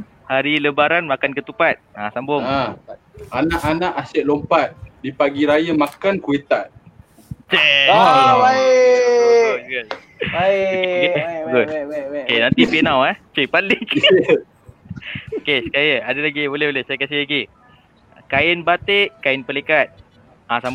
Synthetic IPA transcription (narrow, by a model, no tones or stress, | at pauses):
haɾiləbaɾanmakankət̪upat̪̚asambʊŋ | anaʔanãʔasɛʔ̚lompat̪̚dipaɡiɾajamakankuet̪at̪̚ | t͡ʃe | bae | ɡʊt̪̚ | bakeɡotokenant̪ipenãwɛht͡ʃepalɪk | okesəkajəadəlaɡibolɛbolɛhsajakas̬ɪhlaɡi | kaɪnbat̪eʔkaɪnpəlekat̪̚ | asambŋ